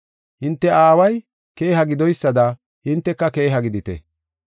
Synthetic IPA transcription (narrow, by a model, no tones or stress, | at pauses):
hɪnt̪ːɛʔaːwɐj | ke̞ːɦɐɡɪd̪ɔjsːɐd̪ɐ | hɪnt̪ːɛkːɐke̞ːɦɐɡɪd̪ɪt̪ɛ̰